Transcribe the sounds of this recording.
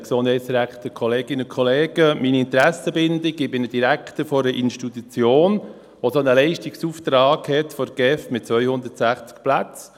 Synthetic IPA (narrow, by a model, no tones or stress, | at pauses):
ksond̥hɛɪsɾæχt̪əkʰχɔleːɡ̥ɪnʊnkʰχɔleːɡ̥əminiɪnt̪ɾæsəbɪndɪɡɪbɪnəd̥iɾækt̪əfɔɾəʔɪnʃtit̪ut͡sjoːn | ʋosonəlɛɪʃtiksuft̪ɾaːɡhɛtfɔɾɡ̥ɛfmɪt̚t͡sʋœʏhʊnd̪ətsæχt͡sk̚plat͡s